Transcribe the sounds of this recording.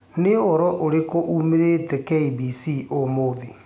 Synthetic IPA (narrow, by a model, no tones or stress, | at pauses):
neɔɾɔʔoɾekoʔuːmeɾeːtɛkɛibisiʔomoði